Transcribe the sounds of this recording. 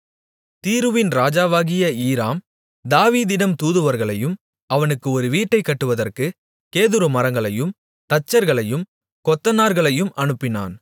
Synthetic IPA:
t̪iːɾɯʋɪnɾaːd͡ʒaːʋaːɣɪjɐiːɾaːm | d̪aːʋiːðɪɽɐmt̪uːðɯʋɐɾɣɐɭɐjɯm | ɐʋɐnɯkːɯɔɾɯʋiːʈːɐɪkːɐʈːɯʋɐðɐrkɯ | keːðɯɾɯmɐɾɐŋɡɐɭɐjɯm | t̪ɐt͡ʃːɐɾɣɐɭɐjɯm | kɔt̪ːɐnaːɾɣɐɭɐjɯmʔɐnɯpːɪna̰ːn

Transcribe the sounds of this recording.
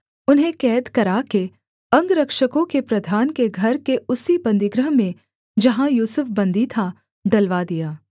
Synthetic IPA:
ʊnɦẽkɛːd̪kɐɾake | ɐ̃ŋɡɾɐkʃəkõkepɾɐd̪ʱaːnkeɡʱɐɾkeʊsibɐ̃nd̪ɪɡɾəɦmẽ | d͡ʒɐɦãjuːsʊfbɐ̃nd̪ʱit̪ʰa | ɖɐlʋad̪ijaː

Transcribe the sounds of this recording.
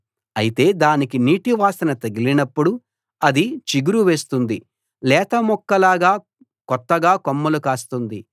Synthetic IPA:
ɐjit̪e̞ːd̪aːnikiniːʈiʋaːsɐnɐt̪ɐɡilinɐpːuɽu | ɐd̪it͡ʃiɡuɾuʋe̞ːst̪und̪i | lɛːt̪ɐmɔkːɐlaːɡaː | kɔt̪ːɐɡaːkomːɐlukaːst̪und̪i

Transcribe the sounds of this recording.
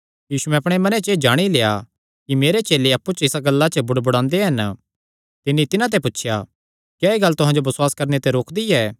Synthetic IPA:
jiːsuɛ̃ɐpɽ̃emɐnet͡ʃeːd͡ʒaːɽ̃ileːa | kimeːɾet͡ʃeːleɐpːut͡ʃɪsaɡɐlːat͡ʃəbʊɽbʊɽãːnd̪eɦɐn | t̪ɪnit̪ɪnãt̪̬epʊtːʃʰja̰ | kjaːeːɡɐlːt̪ʊɦãd͡ʒobɐswaːskɐɾnet̪eɾoːkʰd̪iɛː

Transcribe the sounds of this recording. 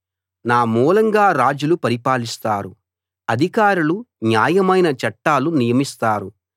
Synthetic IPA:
naːmuːlɐŋɡaːɾaːd͡ʒulupɐɾipaːlist̪aːɾu | ɐd̪ʱikaːɾulunjaːjɐmɐjnɐt͡ʃɐʈːaːlunijɐmist̪aːɾu

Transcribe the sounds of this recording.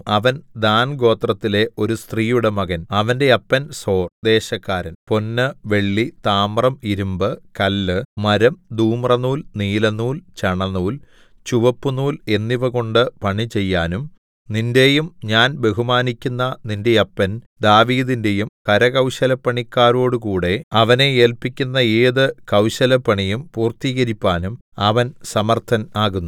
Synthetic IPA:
ɐʋɐnd̪aːnɡo̞ːt̪rɐt̪ːile̞ʔo̞ɾust̪riːjuɽe̞mɐɣɐnɐʋɐnde̞ɐpːɐnso̞ːrd̪e̞ːɕɐkːaːɾɐnpo̞nːɨʋe̞ɭːit̪aːmrɐmiɾumbɨkɐlːɨmɐɾɐmd̪uːmrɐnuːlniːlɐnːuːlt͡ɕɐɳɐnːuːl | t͡ɕuʋɐpːunuːle̞nːiʋɐɣo̞ɳɖɨpɐɳit͡ɕe̞jːaːnum | ninde̞jumɲaːnbe̞ɦumaːnikʲːunːɐninde̞jɐpːɐn | d̪aːʋiːðinde̞jumkɐɾɐɣɐwɕɐlɐpːɐɳikːaːɾo̞ːɽukuːɽe̞ɐʋɐne̞eːlpikʲːunːɐeːðɨkɐwɕɐlɐpːɐɳijumpuːrt̪iːɣɐɾipːaːnum | ɐʋɐnsɐmɐrt̪ʰɐnaːɣunːu

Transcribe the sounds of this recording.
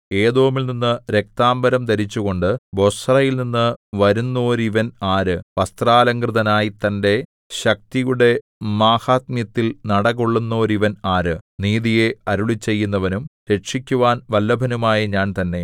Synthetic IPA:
e̞ːðo̞ːmilninːɨɾe̞k̚t̪aːmbɐɾɐmd̪ɐɾit͡ɕːuɣo̞ɳɖɨbo̞srɐjilninːɨʋɐɾunːo̞ːɾiʋɐnaːɾɨʋɐst̪raːlɐŋkrɨðɐnaːjit̪ɐnde̞ | ɕɐk̚t̪ijuɽe̞ | maːhaːt̪mjɐt̪ːilnɐɽɐɣuɭːunːo̞ːɾiʋɐnaːɾɨniːðije̞ɐɾuɭit͡ɕːe̞jːunːɐʋɐnumɾe̞ʂikʲːuʋaːnʋɐlːɐbʱɐnumaːjɐɲaːnt̪ɐnːe̞

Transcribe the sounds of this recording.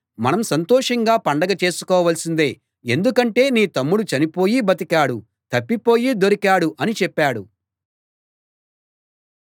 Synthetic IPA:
mɐnɐmsɐnt̪ɔːʂɐŋɡaːpɐɳɖɐɡɐt͡ʃe̞ːsu̥kɔːʋɐlsind̪e̞ː | e̞nd̪ukɐɳʈe̞ːniːt̪ɐmːuɽut͡ʃɐnipo̞ːjibɐt̪̬ikaːɽu | t̪ɐpːipo̞ːjiːd̪o̞ɾikaːɽuʔɐnit͡ʃɛpːaːɽu

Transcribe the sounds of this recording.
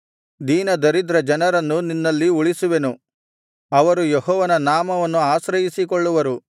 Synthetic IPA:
d̪iːnɐd̪ɐɾid̪ɾɐd͡ʒɐnɐɾɐnːuninːɐlːiuɭisuʋe̞nu | ɐʋɐɾujeɦɔːʋɐnɐnaːmɐʋɐnːuaːʃɾɐjisikɔɭːuʋɐɾu

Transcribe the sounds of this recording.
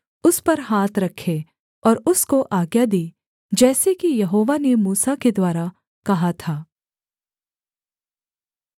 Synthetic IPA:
ʊspɐɾɦaːt̪ʰɾɐkʰe | ɔːɾʊskoʔaːɡjad̪iː | d͡ʒɛːsekijɐɦoːʋanemuːsaked̪waːɾa | kɐɦat̪ʰaː

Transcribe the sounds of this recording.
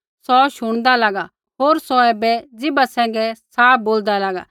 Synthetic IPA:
sɔʃʊɽ̃d̪alaːɡa | ɦoːɾsɔɛːbɛd͡zɪbasɛ̃ːŋɡɛsaːp̚boːld̪alaːɡa̰

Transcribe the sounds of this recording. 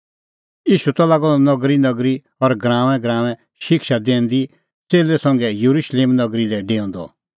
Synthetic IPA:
iːʃut̪alaːɡɔ̃lɔnɔɡɾinɐɡɾi | ɔɾɡɾãːʋɛ̃ɡɾãːʋ̃ɛ̃ | ʃɪkʃad̪ẽːnd̪i | t͡seːlɛsɐ̃ŋɡɛjuɾuʃleːmnɐɡɾilɛɖeːɔ̃nd̪ɔ̰

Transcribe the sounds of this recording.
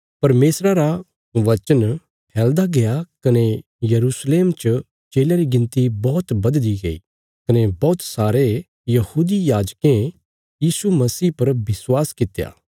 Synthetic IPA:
pɐɾmeːsɾaɾa | ʋɐt͡ʃən | pʰɛːld̪aɡejakɐne | jɐɾuːsleːmt͡ʃ | t͡ʃeːljaɾiɡɪ̃nt̪ibɔːt̪bɐd̪liɡɐḭ | kɐnebɔːt̪saːɾe | jɐhuːd̪ijaːd͡ʒkẽ | jiːsumɐsiːpɐɾbɪswaːskɪt̪ːja̰ː

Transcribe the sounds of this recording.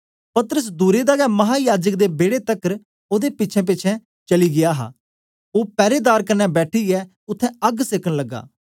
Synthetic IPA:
pɐt̪əɾəs̬d̪uːɾed̪aːɡɛːmɐɦaːjaːd͡ʒək̚d̪ebeːɽet̪ɐkːəɾ | oːd̪epɪːt͡ʃʰɛ̃p̬ɪːt͡ʃʰɛ̃ | t͡ʃɐliɡɪjaːɦa̰ː | oːpɛːɾeːd̪aːɾkɐɾnɛbɛːʈʰiɛː | ʊt̪ʰːɛ̃ɐɡseːkəɽ̃lɐɡːa̰ː

